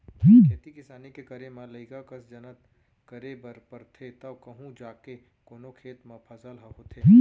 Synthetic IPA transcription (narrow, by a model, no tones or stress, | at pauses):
ɦĩːkʰeːt̪ikɪsaːnikekɐɾemɐləɪkakɐsd͡ʒɐnət̪ | kəɾebɐɾpəɾt̪ʰet̪ɐkɐɦũd͡ʒaːke | koːnokʰeːt̪mɐpʰɐsəlɦɐɦot̪ʰeːɦĩː